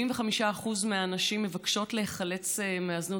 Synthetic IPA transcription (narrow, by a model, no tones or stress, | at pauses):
imveχamiʃaːχuzmeanaʃimːevakʃo̞tleheχale̞t͡semeaznu